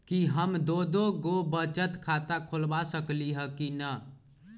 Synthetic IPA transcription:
kiɦəmd̪od̪oɡobət͡ʃət̪kʰat̪akʰolbasəkliɦəkinə

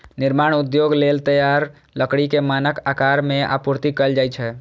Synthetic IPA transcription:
nɪɾmaːɽ̃ʊd̪joːɡleːlt̪əjaːɾ | ləkɽikemaːnəkaːkaːɾmẽʔa̰ːpʊɾt̪ikəld͡ʒaːit͡ʃʰɛ

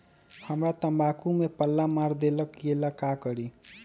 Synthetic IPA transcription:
həmɾat̪əmbakumepəlːamaɾd̪eləkeləkakəɾi

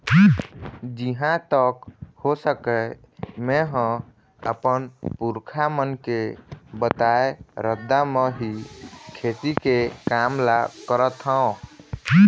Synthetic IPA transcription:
d͡ʒiɦãt̪əkhosəkə | meɦə̃ | ə̰pənpuɾkʰamənkebət̪aeɾəd̪ːameɦikʰet̪ikekamlakəɾət̪ɦə̃

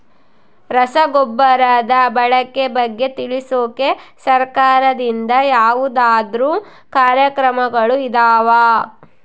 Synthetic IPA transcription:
ɾɐsɐɡobːɐɾɐd̪ɐbɐɭɐkːebɐɡːe̞t̪iɭisoːke̞sɐɾkaːɾɐd̪ind̪ɐjaːʋud̪aːd̪ɾuː | kaːɾjɐkɾɐmɐɡɐɭuid̪aːʋaː

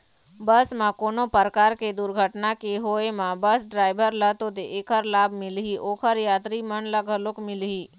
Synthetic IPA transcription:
bəsmãkoːnopəɾkaːɾked̪ʊɾɡʱəʈnakeɦoemãbəsɖɾaːɪbʱəɾlət̪od̪eʔeːkəɾlaːbʱmɪlɦiʔoːkʰəɾjaːt̪ɾimənləɡʱəlokmɪlɦiː

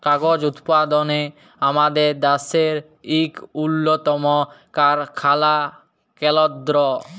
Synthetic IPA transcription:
kaɡod͡ʑut̪pad̪ɔne | amad̪eɾd̪aseɾ | ikulːot̪ɔmokaɾkʰala | kɛlɔd̪ɾɔ

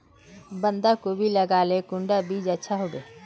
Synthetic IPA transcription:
bə̃nd̪akobʱiləɡaːlekʊ̃ɳɖabiːd͡ʒətːʃʰaɦoːɡeː

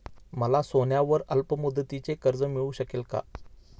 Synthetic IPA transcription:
məlasonjaʋəɾəlpəmud̪ət̪it͡sekəɾd͡zəmiɭuːɕəkelka̰

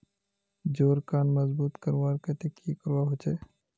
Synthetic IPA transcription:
d͡ʒoːɾkaːnmɐzbuːt̪kəɾʋaːɾket̪ekikəɾʋaɦot͡ʃʰe

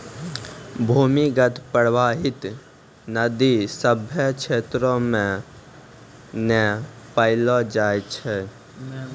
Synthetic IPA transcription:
bʱuːmiɡət̪ʰpəɽʋaːɦɪt̪ | nəd̪isəbʱjəkʃʰeːt̪ɾõmẽ | nɛpəɪlɔd͡ʒaːjt͡ʃʰɛ

